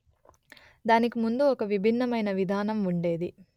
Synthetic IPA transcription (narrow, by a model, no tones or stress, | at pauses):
d̪aːnikimund̪uɔkɐʋibʱinːɐmɐjnɐʋid̪ʱaːnɐmuɳɖe̞ːd̪i